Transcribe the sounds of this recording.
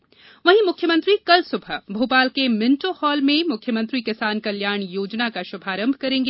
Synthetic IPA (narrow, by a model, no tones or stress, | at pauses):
ʋɐɦĩmʊkʰjəmə̃nt̪ɾikɐlsʊbʱəbʱuːpaːlkemɪ̃nʈohɔːlmẽmʊkʰjəmə̃nt̪ɾikɪsaːnkɐljaːɳ̃joːd͡ʒnakaʃʊbʱaːɾə̃mbʱkɐɾẽːŋɡe